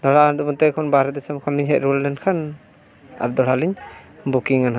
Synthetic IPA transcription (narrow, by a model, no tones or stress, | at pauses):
d̪ɔɽadumɔtejkʰɔnbaɾɛdɛsamkʰɔnliɲɦɛtɾuldɛnkʰan | a̰ɾd̪ɔɽaliɲbukiŋanɦa